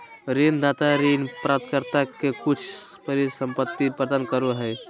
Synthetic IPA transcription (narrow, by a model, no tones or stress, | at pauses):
ɾend̪at̪aɾinpɾap̚t̪kəɾt̪akekut͡ʃʰpəɾisəmpət̪ːipɾəd̪ankəɾuɦəj